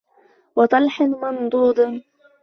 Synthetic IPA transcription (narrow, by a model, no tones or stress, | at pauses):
wɑt̪ˤɑlħɪnmɑnd̪ˤuːd̪ˤn